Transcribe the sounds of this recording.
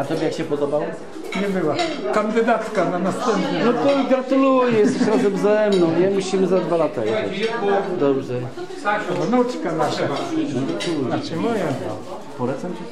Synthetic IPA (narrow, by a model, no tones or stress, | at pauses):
at̪ɔbʲjɛjakɕɛpɔd̪ɔbawɔ | ɲɛbɘwakand̪ɘd̪at̪kananast̪ɛmpʲjɛnɔt̪ɔɡɾat̪ulujɛjɛst̪ɛɕɾazɛmvzaɛmnɔ̃w̃ɲɛmuɕimɘzad̪valat̪a̰jɛɛd̪ɔbʐɛ | anut͡ʂkanaʂanɔɡɾat̪ulujɛnaʃɛmɔjɛ̰ | pɔɾɛt̪sɛmt͡ɕɛ